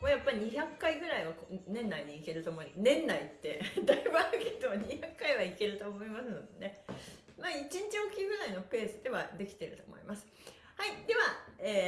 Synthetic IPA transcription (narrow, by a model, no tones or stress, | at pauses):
moːjapːaɾʲiɲ̟içakːaiɡɯ̟ɾaiβakonẽ̞nːaiɲ̟iːke̞ɾɯ̟t̪o̞ːmoinẽ̞nːait̪ːe̞d̪aibɯ̟aɾɯ̟ke̞d̪o̞ɲ̟içakːaiβaike̞ɾɯ̟t̪o̞ːmo̞imasɨno̞d̪e̞ne̞ | maːit͡ɕĩɲ̟t͡ɕiokʲiɡɯ̟ɾaino̞pe̞ːsɨd̪e̞βad̪e̞kʲi̥t̪e̞ɾɯ̟t̪o̞̰ːmo̞̰ḭmasɨ̥ | haid̪̥e̞βaeː